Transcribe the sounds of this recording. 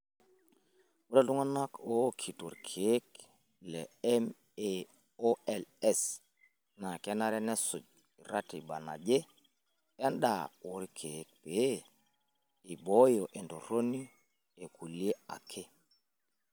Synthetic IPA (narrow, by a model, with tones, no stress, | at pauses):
wu˦da˦lu˦ŋa˦na˦kʰo˦kʰi˨tṵ˨ɾkʰe˨˦k | lḛ˨ɛ˦m | e˨ | o˦ɛ˨lɛ˦˨s | na˨ke˦na˦ɾɛ˦nɛ˦su˨d͡ʒ | i˨ɾa˦ti˨ba˨na̰˨d͡ʒe˦ | e˦nɗa̰˨u˨ɾi˦kʰe˨˦k̚pe˨˦ | i˨bo˦jo˨ʔe˨nto˨ɾo˦ni˦ | e˨ku˨li˦e˦a̰˨kʰe˦